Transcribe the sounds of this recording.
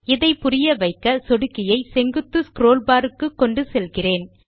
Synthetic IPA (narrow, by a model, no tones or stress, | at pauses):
ɪðɐɪpʊrɪjɐʋɐɪkːɐsɔɽɯkːɪjɐɪsɛŋɡɯt̪ːɯskɾoːlbaːɾɯkːɯkːɔɳɖɯsɛlɣɪreːn